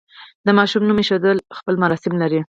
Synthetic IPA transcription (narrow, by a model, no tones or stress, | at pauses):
d̪əmɑʃumnumeʃod̪əlxpəlmaɾɑsɪmlaɾi